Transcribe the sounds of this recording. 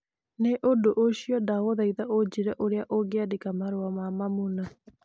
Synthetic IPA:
neʔondoʔoɕiɔdaoðaiðaʔod͡ʑiɾɛaʔoɾeaʔoɡeadekamaɾoamamamuna

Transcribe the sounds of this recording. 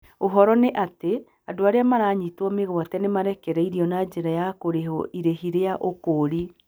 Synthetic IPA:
oɦɔɾɔneʔate | adoaɾeamaɾaɲitwɔmeɣwatɛnemaɾɛkɛɾɛiɾiɔnad͡ʒeɾajakoɾeɦɔ̰ʔiɾeɦiɾeaʔokoɾi

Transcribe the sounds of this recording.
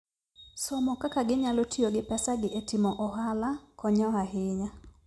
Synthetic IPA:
sɔmɔkakaɡɪɲalotʰioɡɪpɛsaɡɪʔetimɔʔɔɦalakɔɲɔɦaɦɪɲa

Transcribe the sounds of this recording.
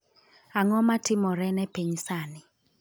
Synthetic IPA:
aŋɔmatʰɪmɔɾɛnɛpeɲsaːnɪ

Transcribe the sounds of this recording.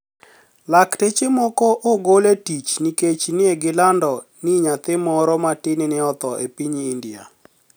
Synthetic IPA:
laktet͡ʃemɔkɔʔoɡoletit͡ʃniket͡ʃnɪeɡɪlandɔ | niɲat̪ɪmɔɾɔmatɪnɪnɪɔt̪ɔʔepiɲiːndia̰

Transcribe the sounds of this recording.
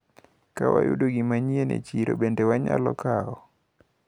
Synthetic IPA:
kawajudoɡimaɲienet͡ʃiɾo̰bendewaɲalɔkaɔ

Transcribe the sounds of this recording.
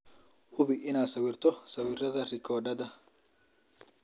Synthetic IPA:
hʊbɪʔɪnaːd̪sɐwɪrt̪ʰɔsɐwɪrɐðɐrɪkʰɔːɖɐd̪ɐ

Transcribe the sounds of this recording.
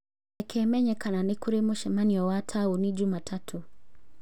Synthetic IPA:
ɛkʰɛmɛɲɛkananikuɾemuʃɛmaniɔwatʰaunid͡ʒumatʰatʰu

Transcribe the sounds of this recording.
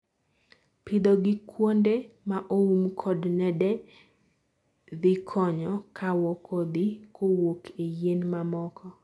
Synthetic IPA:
pɪd̪ɔɡɪkʰwondemaʔoumkʰɔdnɛdɛ | d̪ɪkʰɔɲɔkʰawɔkʰod̪ɪkʰowokʰejenmamɔkʰɔ

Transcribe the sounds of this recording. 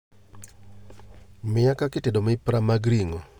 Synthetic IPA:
mɪakakɪtedomɪpɾamaɡɾiŋɔ

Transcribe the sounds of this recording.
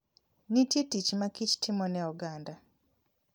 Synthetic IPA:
nititicimakici̥tʰimonjauɡaːnda

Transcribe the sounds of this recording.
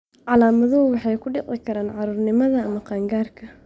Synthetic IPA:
ʕɑlaːmɐðɐʊwɑħɑjkʰʊɖɪqɪkʰɐɾaːnʕɑɾuːrnɪmɐðɐːmɐqɑːŋɡaːrkʰɐ

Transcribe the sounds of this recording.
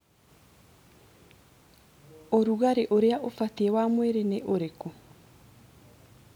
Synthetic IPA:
oɾuɣaɾeʔoɾeaʔofat̪eewamweɾeneʔoɾeko

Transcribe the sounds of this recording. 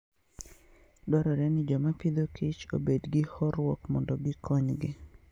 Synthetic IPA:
dɔɾɔɾɛnɪd͡ʒɔmapid̪okʰit͡ʃo̰bedɡɪhɔɾwɔkmɔndɔɡɪkʰɔɲɡɪ

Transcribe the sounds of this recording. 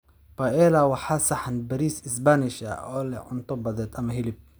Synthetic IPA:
paʔɛlawɑħasaħanbɐɾiːsɪsbanɪʃa̰ɔːlɛ̰ʕʊ̰nt̪ɔbɐðɛːt̪ɐmɐɦɪlɪb̚

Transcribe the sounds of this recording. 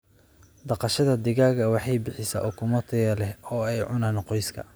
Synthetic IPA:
d̪ɑqɑʃɐðɐd̪ɪɣaːɣɐwɑħɑjbɪħɪsa̰ʔʊkʰʊmɔt̪ʰɪɣɐlɛhɔːɛjʕʊnaːnqɔjskʰɐ̰

